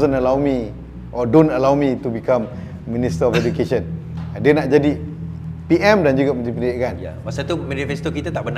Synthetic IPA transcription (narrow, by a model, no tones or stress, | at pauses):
zənəlawmi | ʔɔdõnəlawmĩt̪ubikãmː | ĩnist̪əɔfɛd͡ʒukeʃə̃n | diənaʔd͡ʒadi | piʔɛ̃mdand͡ʒuɡamə̃nt̪ipəniiʔkanmasat̪umɛ̃nifɛst̪okit̪at̪aʔbən